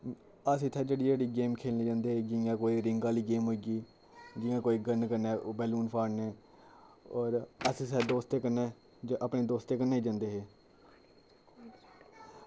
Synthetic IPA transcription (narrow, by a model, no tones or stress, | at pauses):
əsɪt̪ʰːeːd͡ʒeːɽiːd͡ʒeːɽiːɡeːmkʰeːlniːd͡ʒãːnd̪eːɦeːd͡ʒɪjãːkoːiːɾɪŋɡaːliːɡeːmɦoːiɡiː | d͡ʒɪ̃ãːkoːiːɡənkəɾnɛːbɛːluːnpʰaːɽneː | ɔːɾəssɛːd̪oːst̪eːkənɛː | ʔəpneːd̪oːst̪eːkəɾneːiːd͡ʒãːnd̪eːɦeː